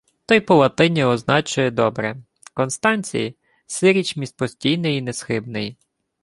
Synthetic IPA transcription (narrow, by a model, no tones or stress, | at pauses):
t̪ɔjpɔlˠɐt̪ɪnʲɛɔznɑt͡ʃʊjɛd̪ɔbɾɛ | kɔnst̪ɑnʲt͡sʲḭji | sɪɾʲit͡ʃmʲist̪̚pɔsʲtʲijnɪjinɛsxɪbnɪj